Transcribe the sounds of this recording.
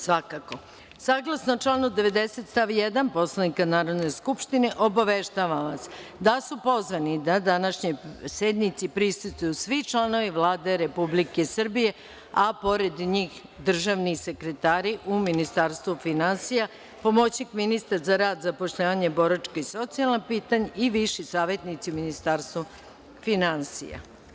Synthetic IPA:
sʋakako̞ | saːɡlˠasnot͡ʃlˠaːnud̪e̞ʋe̞d̪eset̪st̪aʋjed̪anpo̞slˠanikanaːɾo̞d̪ne̞skupʃt̪ine̞ʔobaʋeʃt̪aʋaʋas | d̪asupo̞zʋanid̪ad̪anaʃɲosed̪nit̪sipɾist̪ust̪ujusʋit͡ʃlˠano̞ʋiʋlˠaːd̪eɾe̞publikesr̩bije̞ | apo̞ɾed̪ɲiːx | d̪r̩ʒaʋnise̞kɾet̪aːɾiʔuminist̪aɾst̪ʋufinansija | po̞mot͡ɕikminist̪aɾzaɾaːd̪zapo̞ʃʎaːʋaɲebo̞ɾat͡ʃkaiso̞t̪sialnapiːt̪aɲeiʋiʃisaːʋe̞t̪nit̪siuminist̪aːɾst̪ʋu | finansḭja̰

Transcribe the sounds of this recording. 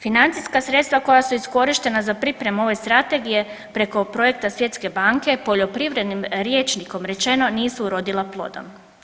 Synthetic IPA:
finant̪sijskasɾet̪st̪ʋako̞jasuisko̞ɾiʃt̪e̞nazapɾipɾe̞muo̞ʋe̞st̪ɾat̪e̞ɡije̞ | pɾe̞ko̞pɾo̞je̞k̚t̪asʋje̞t̪ske̞baŋke̞po̞ʎo̞pɾiʋɾe̞d̪nimɾje̞ːt͡ʃniko̞mɾe̞t͡ʃe̞no̞niːsuɾo̞d̪ilˠaplˠo̞̰d̪o̞̰m

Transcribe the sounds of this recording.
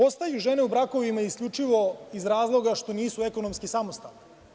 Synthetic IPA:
o̞st̪ajuʒeneubɾako̞ʋimaiskʎʲut͡ʂiʋo̞izɾaːzlˠo̞ɡaʃt̪o̞niːsueko̞nomskisamost̪a̰ʋni

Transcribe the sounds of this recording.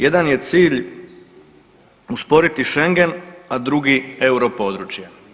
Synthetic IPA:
jed̪anje̞t̪siːʎ | uspo̞ɾit̪iʃe̞ŋɡe̞nad̪ɾuɡieuɾo̞poːd̪ɾut͡ʃja

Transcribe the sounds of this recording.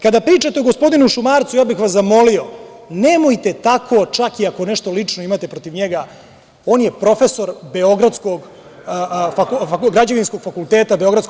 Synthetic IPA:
kad̪apɾiːt͡ʂat̪eoɡospo̞d̪inuʃumaːɾt̪sujaːbixʋaszamo̞lio̞nemojt̪e̞t̪akʰo̞t͡ʂakiako̞neʃt̪o̞lit͡ʂno̞imat̪e̞pɾo̞t̪iʋɲeɡa | o̞ːnje̞pɾo̞fe̞so̞ɾbeo̞ɡɾad̪skoɡ | fakakɡɾad͡ʑaʋinsko̞ɡ̥fakult̪eːt̪abeo̞ɡɾad̪sk

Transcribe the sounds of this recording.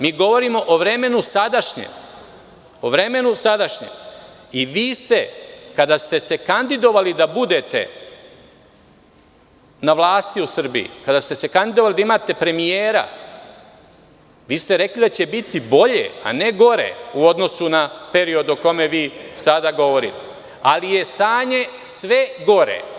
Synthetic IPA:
miːɡo̞ʋo̞ɾiːmo̞ʔoʋɾe̞me̞nusad̪aʃɲḛm | oʋɾe̞me̞nusad̪aʃɲḛm | iʋiːst̪e̞kad̪ast̪e̞se̞kand̪id̪o̞ʋalid̪abud̪e̞t̪ḛ | naʋlaːst̪iusr̩bḭḭkad̪ast̪e̞se̞kand̪id̪oalid̪aimaːt̪e̞pɾe̞mijeːɾa̰ | ʋiːst̪eɾe̞klid̪at͡ɕebit̪ibo̞ʎḛa̰ne̞ɡo̞ɾḛuo̞d̪no̞sunape̞ɾio̞d̪oko̞me̞ʋiːsad̪aɡo̞ʋo̞ɾḭt̪e | alije̞st̪aːɲe̞sʋe̞ɡo̞ɾḛ

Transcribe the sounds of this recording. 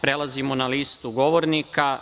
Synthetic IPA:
pɾelˠazimonaliːst̪uɡo̞ʋoɾnika

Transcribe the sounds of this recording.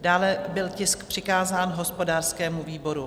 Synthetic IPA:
daːlɛbɪlcɪskpr̥ɪkaːzaːnɦo̞spo̞daːrskɛːmuviːbo̞ɾu

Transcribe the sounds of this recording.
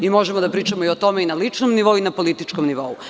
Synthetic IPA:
imo̞ʒemod̪apɾiːt͡ʃamoiot̪o̞meinalit͡ʂnomniʋo̞uinapo̞lit̪it͡ʃkomniʋo̞u

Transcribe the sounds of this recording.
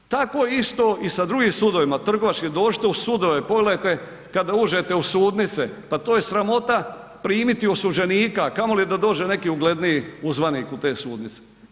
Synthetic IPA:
t̪ako̞jeist̪o̞ʔisad̪ɾuɡimsud̪o̞ʋimat̪r̩ɡo̞ʋat͡ʃkid̪o̞ːd͡ʒi̥t̪eusud̪o̞ʋepo̞ɡlejt̪e | kad̪auːd͡ʒe̞t̪eusuːd̪nit̪sepat̪ojesɾamo̞t̪a | pɾiːmit̪iosud͡ʒe̞niːkakamo̞lijed̪ad̪o̞ːd͡ʒene̞kiːuɡle̞d̪nijiuzʋaniːkut̪e̞ːsuːd̪nit̪se̥

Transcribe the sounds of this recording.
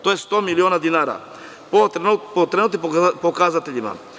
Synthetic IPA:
t̪ojest̪omilionad̪inaɾa̰ | popot̪ɾenut̪ipokazat̪eʎima̰

